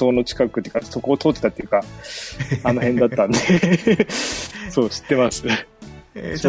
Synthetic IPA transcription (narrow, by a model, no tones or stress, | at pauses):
o̞ːno̞t͡ɕi̥kakɯ̟t̪ejɯ̟kaso̞ko̞ːt̪oːt̪ːe̞t̪at̪ːejɯ̟ka | ano̞hẽ̞nd̪at̪ːãnd̪e | so̞ːɕi̥t̪ːe̞masɨ